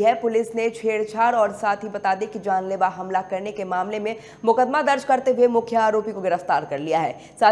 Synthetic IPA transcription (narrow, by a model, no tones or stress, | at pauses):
ɦɛpʊlɪsnet͡ʃʰeːɽt͡ʃʰaːɾɔːɾsaːt̪ʰɦibɐt̪aːd̪ekid͡ʒaːnleːʋaɦɐmlakɐɾnekemaːmlemẽ | mʊkəd̪mad̪ɐɾd͡ʒkɐɾt̪eɦuemʊkʰjəaːɾoːpikoɡɪɾəft̪aːɾkɐɾlijaɦɛ̰ː | saː